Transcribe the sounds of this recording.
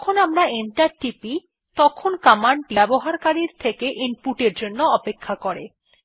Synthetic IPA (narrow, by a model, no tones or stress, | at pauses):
kʰonamɾaenʈaɾʈipi | t̪ɔkʰonkamaɳʈɛboɦaɾkaɾiɾt̪ʰekeʔimpuʈeɾd͡ʑonːoɔpekʰːakoɾe